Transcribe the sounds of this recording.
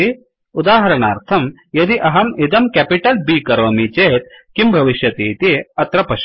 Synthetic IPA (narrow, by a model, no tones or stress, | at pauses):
i | ud̪aːɦɐɾɐɳaːɾt̪ʰɐm | jɐd̪iʔɐɦɐmid̪ɐmkæpiʈɐlbiːkɐɾoːmit͡ʃeːt̪̚kimbʱɐʋiʃjɐt̪iːt̪iɐt̪ɾɐpɐʃ